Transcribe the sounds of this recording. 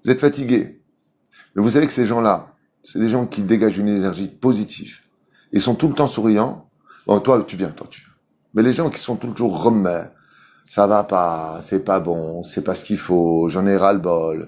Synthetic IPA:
vuzɛt̪fat̪iɡʲe | mɛvus̬avekə̥seʒɑ̃la | sɛd̪eʒɑ̃kʲid̪eɡaʒynenɛʁʒipozit̪ʰiv | esɔ̃t̪ulət̪ɑ̃suʁijɑ̃ | bɔ̰̃t̪wat̪yvjɛ̃t̪wat̪yvjɛ̃ | mɛleʒɑ̃kʲi̥sɔ̃t̪uləʒuʁːəmɛ | savapasɛpabɔ̃sɛpasə̥kʲifoʒɑ̃nɛʁalbɔl

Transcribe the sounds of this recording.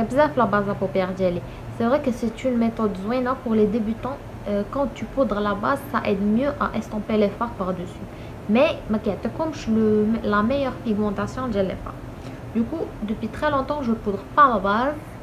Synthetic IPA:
ɛbzɛflabazlapɔpjɛʁd̪ɛli | sɛvʁɛkəsɛt̪ynmet̪ɔd̪zwɛnapuʁled̪ebyt̪ɑ̃ | kɑ̃t̪ypud̪ʁlabazsaʔɛd̪mjøʔaʔɛst̪ɑ̃pelefaʁpaʁd̪əsy | mɛməkiʕt̪əkɔmʃləlamɛjœʁpiɡmɑ̃t̪asjɔ̃d̪ɛlɛ̰fa̰ʁ | d̪ykud̪əpɥit̪χɛlɔ̃t̪ɑ̃ʒəpud̪ʁpalabaz

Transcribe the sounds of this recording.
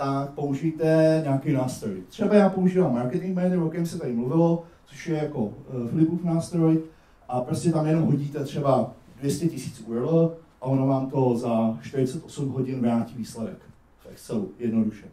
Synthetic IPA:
t̪ak̚po̞uʒijt̪ɛɲɛaːkɛjnaːst̪ɾojt̪r̝̥ɛbajaːpo̞uʒiːvaːmːaɾkɛt̪ɪŋkmɛːnɪɾokɛmsɛt̪aɾɪmluvɪlot͡soʃjɛjako̞fɪlɪpuːfnaːst̪ɾoj | ʔapɾoscɛt̪amjɛnomɦo̞ɟiːt̪ɛt̪r̥ɛbadvjɛscɛcɪsi̥ːt͡suɛlʔaonavaːmt̪o̞zaʃt̪ɪɾɪt͡sɛt̪ʔo̞sumɦo̞ɟɪnvɾaːciːviːslɛdɛk | fɛkt͡sɛujɛdno̞duʃɛ

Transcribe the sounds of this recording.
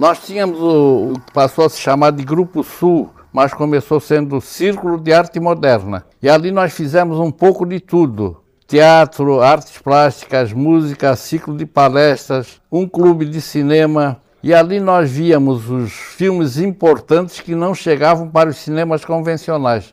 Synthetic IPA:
nɔst̪ĩɲɐmʊzkɪ̥pasowɐsɪ̥ʃamaɾd̪ɪɡɾupʊsuw | mɐskomesowsẽnd̪ʊsiɾkulʊd̪ɪaɾt̪ɪmod̪ɛɾnɐ̰ | ialinɔsfizɛmʊzũpowkʊd̪ɪt̪ud̪ʊ̰ | t̪eat̪ɾʊaɾt̪ɪ̥splaʃt̪i̥kɐzmuzikɐsiklʊd̪ɪpalɛʃt̪ɾɐs | ũklubɪd̪ɪsinẽmɐ | ialinɔzviɐmʊzʊsfilmɪzĩmpoɾt̪ɐ̃nt̪ɪ̥skɪnɐ̃w̃ʃeɡavɐ̃w̃paɾʊssinẽmɐskõvẽsionajs

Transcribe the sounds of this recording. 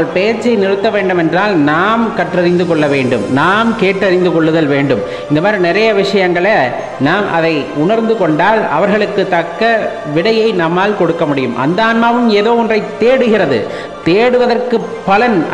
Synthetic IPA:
ɐɭpeːɾt͡ʃːɐɪnɪɾɯt̪ːɐʋeːɳɖɯmɛndraːlnaːmkɐʈrɐɾɪnd̪ɯkɔɭːɐʋeːɳɖɯmnaːmkeːʈːɐɾɪnd̪ɯkɔɭːɯðɐlʋeːɳɖɯm | ɪnd̪ɐmaːɾinɪɾɐjɐʋɪʂɐjɐŋɡɐɭɐ | naːmʔɐðɐɪʊnɐɾnd̪ɯkɔɳɖaːlɐ̰ʋɐɾɣɐɭɯkːɯt̪ːɐkːɐ | ʋɪɽɐjɐɪnɐmːaːlkɔɽɯkːɐmʊɽɪjɯmʔɐ̰nd̪ɐaːnmaːʋɯmeːðoːɔndrɐɪt̪ːeːɽɯɣɪrɐðɯ̰ | t̪eːɽɯʋɐðɐrkɯpːɐlɐn

